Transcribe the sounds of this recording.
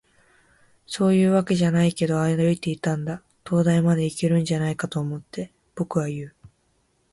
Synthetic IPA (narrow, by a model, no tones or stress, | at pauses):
so̞ːjɯ̟ːβake̞ʑanaike̞d̪o̞aed̪aoit̪e̞it̪ãnd̪a | t̪o̞ːd̪aimad̪e̞ike̞ɾɯ̟̃ɲ̟d͡ʑanaikat̪o̞ːmo̞t̪ːe̞ | b̥o̞kɯ̟βajɯ̟ː